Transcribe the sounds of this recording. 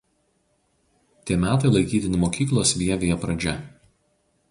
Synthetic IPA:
t̪ʲiɛmʲæːt̪ɐɪlˠɐɪkʲiːt̪ʲɪnʲɪmoːkʲiːklˠoːsʲʋʲiɛʋʲejɛpɾɐd͡ʒʲɛ

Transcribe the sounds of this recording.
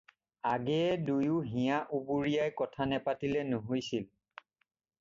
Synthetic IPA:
aɡɛɛdujʊɦĩjaʔubuɹijajkɔtʰanɛpatilɛnʊɦojsil

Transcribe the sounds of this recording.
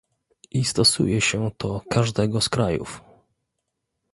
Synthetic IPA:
ʔist̪ɔsṵjɛɕɛt̪ʰɔkʰaʐd̪ɛɡɔskɾajṵf

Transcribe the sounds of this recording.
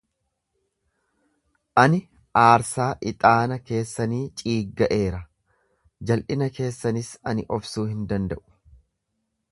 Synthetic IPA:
ʔɐnɪ | ʔaːɾsaːʔɪt̪ʼaːnɐke̞ːsːɐniːt͡ʃʼiːɡːɐʔe̞ːɾɐ | d͡ʒɐlʔɪnɐke̞ːsːɐnɪsɐnɪʔɔfsuːhɪnd̪ɐnd̪ɐ̰ʔʊ̥

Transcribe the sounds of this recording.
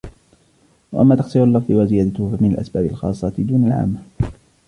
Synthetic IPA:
waʔamːaːt̪ɑqsˤiːɾʊalːɑfd̪ˤɨwazɪjaːd̪at̪ʊhfamɪnalʔa̰sbaːbɪlxɑ̰ːsˤːɑt̪d̪uːnalʕa̰ːmːa

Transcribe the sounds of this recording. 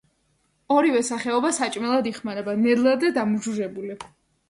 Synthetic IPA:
ɔɾivɛsaχɛɔbasat͡ʃʼmɛlˠad̪iχmaɾɛbanɛd̪lˠad̪ɛd̪amud͡ʒuʒɛbuli

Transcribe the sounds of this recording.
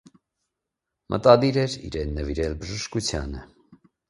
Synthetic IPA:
mʔə̰t̪ɑd̪iɾɛɾḭɾɛnːəviɾɛlbəʒəʃkut͡sʰjɑ̰nə

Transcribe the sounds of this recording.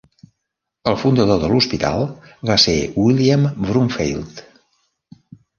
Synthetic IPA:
əlˠfund̪əðoðəluspit̪a̰lˠβasewiliəmbɾuɱfḛjlˠt̪

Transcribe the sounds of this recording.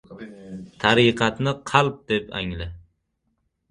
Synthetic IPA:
t̪ʰaɾiːqʰɑt̪nɪqʰɑlˠp̚d̪̥epa̰ŋlɪ

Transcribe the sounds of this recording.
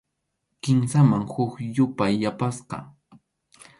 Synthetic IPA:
kɪmsamaŋhʊkjʊpajːapasqɑ̰

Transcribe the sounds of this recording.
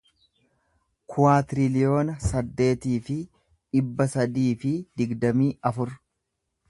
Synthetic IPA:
kʰʊwaːt̪ɪɾɪlɪjo̞ːnɐsɐd̪ːe̞ːt̪iːfɪ | ᶑɪbːɐsɐd̪iːfɪd̪ɪɡd̪ɐmiːʔɐfʊɾ

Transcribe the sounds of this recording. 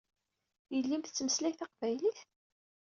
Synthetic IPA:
jəlːimθt͡sːməslæçθɑqvæjliθ

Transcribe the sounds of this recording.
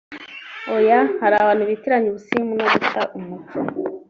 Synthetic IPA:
ojahaɾaβaːn̥uβitiɾaɲiβusimunoβutaʔumut͡ʃo

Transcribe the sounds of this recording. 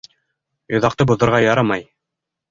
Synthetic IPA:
jŏðɑq̚t̪ɤbŭðŏɾʁɑjɑɾɤmɑj

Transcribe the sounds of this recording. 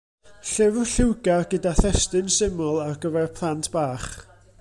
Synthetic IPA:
ɬɪvʊɬɪwɡarɡədaθɛstɨnsɪmɔlˠarɡəvɛrpʰlˠantʰb̥aːχ

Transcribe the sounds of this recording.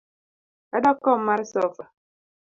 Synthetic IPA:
adɔkɔm̩maɾisɔfa

